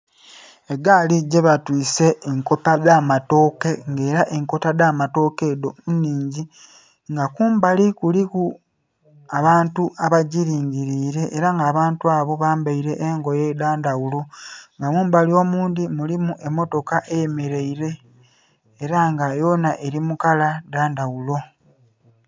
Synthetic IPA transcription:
e̞ɡaliɟe̞βatwiːse̞ːŋko̞paðamato̞ke̞ŋɡe̞ːɾaʔeŋko̞taðaːmato̞ke̞ːdomunːiːɲɟi | ŋɡakuːmbalikuliku | aβaːntuʔaβaɟiɾiːɲɟiɾiːɾe̞ʔːɾaŋɡaːβaːntuaːβo̞βaːmbaiɾe̞ʔeŋɡo̞jeðaːndawulo̞ŋɡamuːmbalio̞ːmuːnd̪imulimuʔe̞mːo̞to̞kaʔejeme̞ɾeiɾe̞ː | ɾaŋɡajo̞naʔe̞ɾimukalaðaːndawulo̞

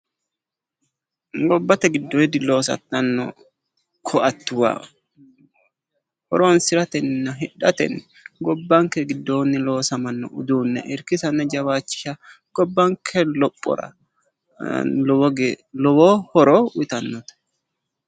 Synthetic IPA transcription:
ɡɔbːɐt̪ɛɡɪd̪ːɔjɪd̪ɪlo̞ːsɐ̰t̪ːɐnːɔ̰ | kʰɔʔɐt̪ːʊwa̰ː | hɔ̰ɾoːnsɪɾɐt̪ɛnːɐɦɪᶑɐt̪ɛ̰nːɛ | ɡɔbːɐŋkɛɡɪd̪ːoːnːɪlo̞ːsɐmɐnːɔ̰ʔʊd̪uːnːɛ̰ʔɪɾkɪsɐnːɛd͡ʒɐwaːt͡ʃːɪ̥ʃɐ | ɡ̥ɔbːɐŋkʰɛlɔpʼːɔ̰ɾɐ̰ | lɔwɔɡlɔwoːhɔɾoːwɪt̪ɐnːɔt̪ɐ̥

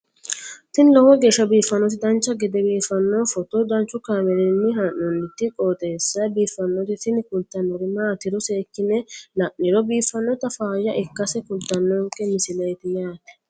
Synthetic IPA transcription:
t̪ɪnlɔwɔɡe̞ːʃːɐbiːfːɐnːɔt̪ɪd̪ɐnt͡ʃːɐɡɛd̪ɛbiːfɐnːoːfɔt̪od̪ɐnt͡ʃːʊkaːmɛlɛnːɪɦɐnːɔnːɪt̪ːɪkʼot̪ʼeːsːɐbiːfːɐnːɔt̪ɪt̪ɪnkʊlt̪ːɐnːɔɾɪmaːt̪ɪɾɔseːkːɪnɛlɐʔːɪɾɔbiːfːɐnːɔt̪ɐfaːjɐʔɪkːɐsɛkʊlt̪ːɐnːɔŋkʼɛmɪsɪlɐjt̪ɪjaːt̪ɛ̥

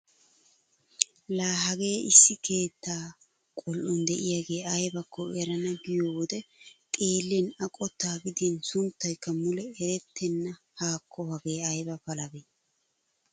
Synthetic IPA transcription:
laːɦɐɡe̞ːɪsːɪkʰe̞ːt̪ːaː | kʼɔlʔɔnd̪ɛʔɪjaɡe̞ːɐjbɐkːɔɛɾɐnɐɡɪjoːwɔd̪ɛt̪ʼe̞ːlːenɐkʼɔt̪ːaːɡɪd̪insʊnt̪ːɐjkːɐmʊlɛɛɾɛt̪ʰːɛnːɐ | haːkʰːɔhɐɡeːɐjbɐfɐlɐbe

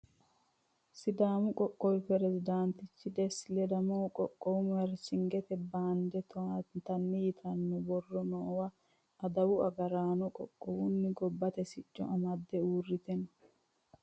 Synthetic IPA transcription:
sɪd̪aːmʊkʼɔkʼːɔwpɛɾɛzɪd̪aːnt̪ɪt͡ʃːɪd̪ɛsɪlɛd̪ɐmɔːkʼɔkʼːɔwʊmɐɾsɪŋɡɛt̪ɛbaːnd̪ɛt̪t̪ɐnːɪjɪt̪ʰɐnːɔbɔrːɔnoːwɐ | ɐd̪ɐwʊɐɡɐɾaːnɔkʼɔ̰kʼːɔwʊnːɪɡɔbːɐt̪ɛsɪt͡ʃʼːɔ̰ʔɐmɐd̪ːɛuːrːɪt̪ɛnɔ

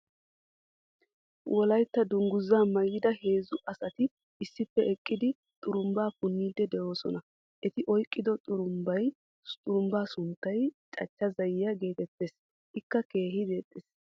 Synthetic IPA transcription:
wʔɔlɐjt̪ːɐd̪ʊŋɡʊzːaːmɐjɪd̪ɐhe̞ːzʊʔɐsɐt̪ɪ | ɪsːɪpːɛɛkʼːɪd̪ɪ | t̪ʼʊɾʊmbaːpʊnːiːd̪ɛd̪ɛʔo̞ːsɔnɐ | ʔɛt̪ɪʔɔjkʼːɪd̪ɔt̪ʼʊɾʊmbɐj | t̪ʼʊɾʊmbaːsʊnt̪ːɐjt͡ʃʼɐ̰t͡ʃːɐzɐjɪjɐɡe̞ːt̪ɛt̪ːe̞ːs | ʔɪkːɐke̞ːɦɪd̪eːt̪ʼːeːs

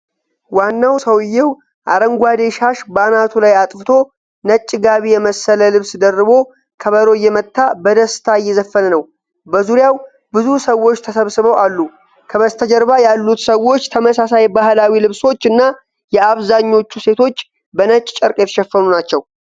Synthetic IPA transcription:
wanːawsəwɨjːɛw | ʔaɾəŋɡʷwad̪e̞ʃaʃbanat̪ʰulajat̪ʼfɨt̪ʰo̞ | nət͡ʃʼːɪɡaβijɛməsːələlɨβsd̪ərːɨβo̞ | kʰəβəɾo̞jːɛmət̪ːabəd̪əst̪ʰajːɛzəfːənənəw | bəzuɾjaw | bɨzusəwːo̞t͡ʃːt̪ʰəsəβsɨβəwalːu | kʰəβəst̪ʰəd͡ʒɛɾβajalːut̪səwo̞t͡ʃːt̪ʰəməsasajbahlawilɨβso̞t͡ʃːɨnːa | jɛaβzaɲːo̞t͡ʃːuse̞t̪ʰo̞t͡ʃː | bənət͡ʃʼːt͡ʃʼɨɾkʼjɛt̪ʰə̥ʃɛfːənunat͡ʃːɛw

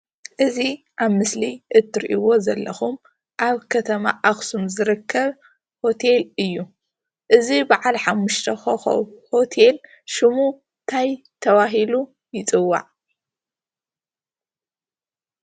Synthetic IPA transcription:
ʔɨzi | ʔaβmɨsliʔɨt̪ʰːɨɾʔiwo̞zɐlːɐxum | ʔaβkʰɐt̪ʰɐma̰ʔaxsumzɨɾɨkʰːɐβ | ho̞t̪ʰe̞lɨjːu | ʔɨzibaʕalħamːuʃt̪ʰɐhoo̰ho̞t̪ʰel | ʃɨmu | nt̪ʰaj | t̪ʰɐβaɦilu | jɪt͡sʼɨwːa̰ʕ

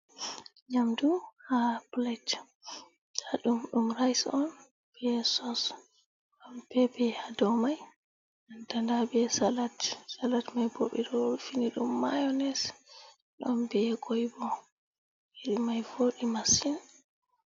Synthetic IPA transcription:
ɲamduhablat | haɗumɗumɾajsɔn | b̥ɛɛsɔs | ɔnb̥ɛbɛhadɔmaj | andandabɛsalatsalatmajbo̰ɓɛɾɔfiniɗumːajɔnɛs | ɗɔnbɛɛɡʰojbɔ | iɾimajvoɗimasin

